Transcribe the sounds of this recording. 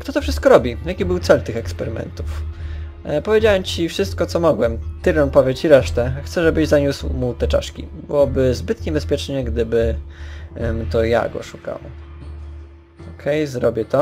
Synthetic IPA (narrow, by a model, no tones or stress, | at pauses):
kt̪ɔt̪ɔfʂɘst̪̚kɔɾɔbʲijakʲibɘwt̪sɛlt̪ɘxɛkspɛɾɘmɛ̰nt̪uf | pɔvʲjed͡ʑawɛmt͡ɕifʂɘst̪̚kɔt̪sɔmɔɡwɛmt̪ɘɾɔnpɔvʲjet͡ɕiɾɛʂt̪ɛxt̪sɛʐɛbɘʑzaɲuswmut̪ɛt͡ʂa̰ʂkʲḭbɘwɔbɘzbɘt̪ɲɛbɛspʲjɛt͡ʂɲɛɡd̪ɘbɘ | t̪ɔja̰ɡɔ̰ʂuka̰w | ɔkʰɛjzɾɔbʲjɛt̪ɔ